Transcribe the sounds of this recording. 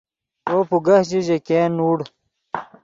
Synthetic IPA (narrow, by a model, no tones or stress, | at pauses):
oːpuɡɐht͡ɕid͡ʑekeːnuːɽ